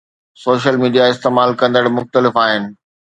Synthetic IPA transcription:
soːʃəlmiːɖijaɪst̪eːmaːlkɐ̃nd̪əɽmʊxt̪əlɪfaːɦɪnɪ̆

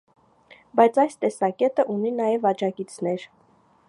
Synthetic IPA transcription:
bɑjt͡sʰɑjst̪ɛsɑkɛt̪əʔuninɑjɛvɑd͡ʒɑkit͡sʰnɛɾ

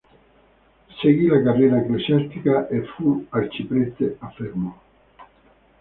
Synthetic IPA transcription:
seɣilakarenaeklesjast̪ikaʔefuaɾt͡ʃipɾest̪eafeɾmo

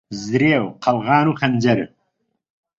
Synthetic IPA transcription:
zɾeːwqʰɐlɣɑːnuxɐnʲd͡ʑɐɾ

